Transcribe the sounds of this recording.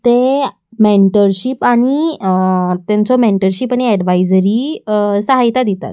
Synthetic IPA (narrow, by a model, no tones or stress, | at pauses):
t̪e | meɳʈəɾɕipaɽ̃i | t̪jãnt͡sɔmeɳʈəɾɕipaɽ̃iɛɖʋajd͡zɾisəɦajt̪ad̪it̪a̰t̪